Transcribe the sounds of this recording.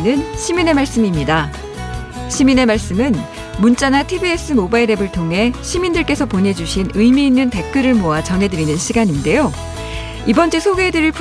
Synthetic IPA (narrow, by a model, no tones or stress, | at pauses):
nɯnɕʰimine̞maɭs͈ɯmimɲida | ɕʰimine̞maɭs͈ɯmɯn | munt͡ɕ͈anatʰibie̞s͈ʰɯmobaiɾe̞bɯɭtʰoŋɦe̞ɕʰimindɯɭk͈e̞sʰʌpone̞d͡ʑuɕʰinɯimiːnːɯnte̞k̚k͈ɯɾɯɭmoat͡ɕʌnɦe̞dɯɾinɯnɕʰiɡaɲinde̞jo | ibʌnt͡ɕ͈esʰoɡe̞dɯɾɯɭpʰ